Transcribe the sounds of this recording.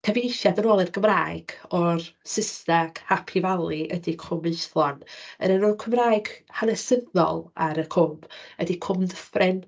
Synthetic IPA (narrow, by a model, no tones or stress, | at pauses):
kʰɛviejʃjadənoːlˠɪrɡəmraːɨɡ̥ɔrsɪstaɡ̥hapʰivalˠiʔədikʰʊmɨθlˠɔnə̰ɾənuːnkʰəmraːɨɡ̥hanɛsəðɔ̰lˠaɾəkʰʊm̥ədikʰʊmdəfrɪn